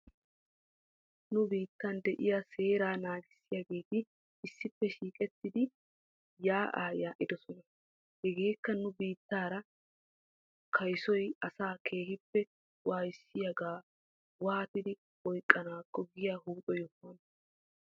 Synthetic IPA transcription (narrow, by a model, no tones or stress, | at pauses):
nʊbiːt̪ːɐnd̪ɛʔɪjase̞ːɾaːnaːɡɪsːɪjɐɡe̞ːt̪ɪ | ɪsːɪpːɛʃiːkʼɛt̪ːɪd̪ɪ | jaːʔa̰ːjaːʔɪd̪ɔsɔnɐ | hɛɡe̞ːkːɐnʊbiːt̪ːaːɾɐ | kʰɐjsɔjɐsaːkʰe̞ːhɪpːɛ | waːjɪsːɪjɐɡaː | waːt̪ɪd̪ɪ | ɔjkʼːɐnaːkːɔɡɪjaːɦuːᶑɔjɔfːɐn